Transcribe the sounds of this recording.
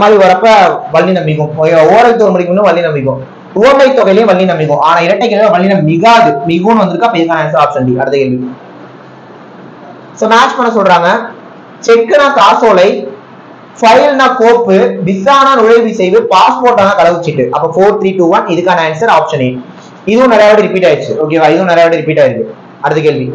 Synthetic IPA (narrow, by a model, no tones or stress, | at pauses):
ɐmaːðɾiʋɐɾɐpːɐʋɐɭːinɐmbɪkːʊ̃moːɾɐɪt̪ːomʊɽɪkːɯmnːɯʋɐɭːinɐmbɪk̬ːʊ̃ | ʊʋɐmɐɪt̪ːɔɣɐɪlɐjʊ̃ʋɐɭːinɐmbɪkːʊ̃ʔaːnaːɪɾɐʈːɐkːɛɭʋɐʋɐɭːɪnɐmɪɣaːðɯmɪɣõnɯʋɐnd̪ɯɾɯkːaɐpːɐɪðɯkːaːnɐːns̬ɐɾaːpʂɐnʈiɐ̰ɽɯt̪ːɐjelmɪkːɯ̃ | soːmaːt͡ʃpɐɳːɐsɔlːɾaːŋɡɐ | t͡ʃɛkːɯnakaːsoːlɐɪ | fɐɪlnaːpoːɾpːɯʋɪsaːnaːnʊɻɐɪʋisɛjʋɯpaːspoːɾʈːaːnakɐɽɐɣɯɪt͡ʃːɪʈːɯʔɐpːɐfoːɾt̪ʰɾiːʈuːʋɐnɪðɯkːaːnɐeːnsɐɾaːpʂɐneː | ɪðɯʋʊ̃nɪɾɐjaːʋɐɽiɾɪpiːʈːaːjɪɾt͡ʃːɯɯoːk̬eːʋaːɪðɯʋʊ̃nɐɾɐjaːʋɐɽiɾɪpiːʈːaːjɪɾɯkːɯ | ɐɽɯt̪ːɯk̬eːɭʋi